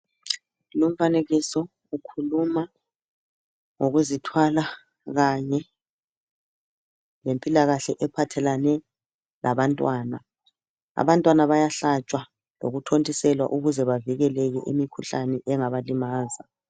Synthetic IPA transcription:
lom̩faneɣisɔ | ukʰuluma | ŋoɣuzitʰwala | ɣaɲɛ | lempʼilaɣaɬɛʔɛpʰatʰɛlanɛ | lʔaβantʼwaːna | a̰βantʼwanaβajaɬat͡ʃʼwa | loɣutʰontʼisɛlwa̰ʔuɣuzɛβaviɣɛlɛɣɛʔimikʰuɬanɛʔɛŋaβalimaːza

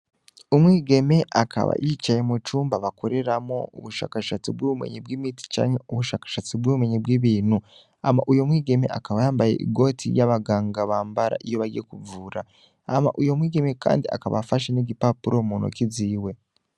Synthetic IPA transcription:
umwiːɡe̞me̞ʔakʰa̰βa̰jit͡ʃaje̞mut͡ʃuːmbaβakʰo̞ɾe̞ɾamo̰uβuʃa̰ːkaʃat͡sibɡuβumḛɲebɡiːmiti̥t͡ʃa̰ːɲe̞uβuʃaːkḁʃat͡sibɡuβumeɲebɡiːβiːnhu | a̰maʔujo̞mwiːɡe̞me̞̰ʔakaβajaːmbajḛʔḭɡo̞tʰḭjaβaɡaːŋɡaβaːmbaɾa̰ʔijo̞βaɾjekuvuːɾaː | ma̰ʔujo̞mwiːɡe̞me̞ka̰ːndia̰kaβafaʃeneɟipapuɾo̞munʔo̰kiziːwe̞

